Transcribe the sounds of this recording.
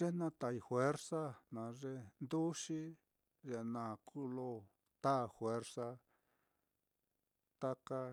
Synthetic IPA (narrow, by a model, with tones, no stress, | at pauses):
ʐe˦nã˧t̪a˨i˧fwe˦ɾsa˦nã˨ʐe˧nd̪u˦ʂi˦ | ʐe˧˨nã˨kʰu˦lo˧ | t̪a˦˨fwe˦ɾsa˧ | t̪a˦ka˧